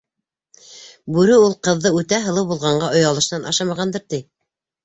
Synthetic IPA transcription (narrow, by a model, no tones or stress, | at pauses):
bʉɾɘulˠqɤ̆ðːɤʉt̪æɦɤ̆lˠɤwbulˠʁɑɴɢɑʔŏjɑlˠɤ̆ʃnɑnʔɑ̰ʃɑmɑʁɑnd̪ɤɾt̪i